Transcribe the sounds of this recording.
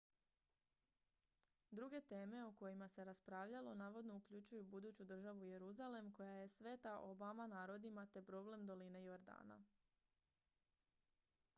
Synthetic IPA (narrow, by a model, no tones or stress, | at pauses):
d̪ɾuɡe̞t̪e̞ːme̞uko̞jimase̞ɾaspɾaːʋʎalo̞naːʋo̞d̪no̞ukʎut͡ɕujubud̪uːt͡ɕud̪r̩ʒaʋuje̞ɾuzale̞mko̞jaje̞sʋe̞ːt̪aʔo̞bamanaːɾo̞d̪imat̪e̞pɾo̞ble̞md̪o̞line̞jo̞ɾd̪a̰ːna̰